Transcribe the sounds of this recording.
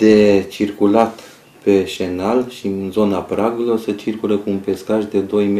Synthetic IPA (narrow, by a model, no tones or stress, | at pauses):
d̪̥e̞t͡ʃirkulat̪ | pe̞ʃe̞nalʃiɨnzo̞napɾaɡelosət͡ʃirkulekuːnpe̞skaʒd̪e̞d̪o̞jm